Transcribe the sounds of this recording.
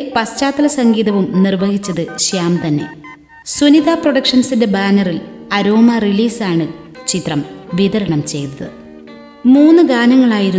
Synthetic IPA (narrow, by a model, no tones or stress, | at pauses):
pɐst͡ɕaːt̪ːɐlɐsɐŋɡiːðɐʋumnirʋɐɦit͡ɕːɐðɨɕjaːmt̪ɐnːe̞̰ | sunid̪ʱaːproɽɐkʂɐnsinde̞baːnɐril | ɐɾo̞ːmɐriliːsaːɳɨ | t͡ɕit̪rɐmʋiðɐɾɐɳɐmt͡ɕe̞jt̪ɐðɨ | muːnːɨɡaːnɐŋːɐɭaːjiɾu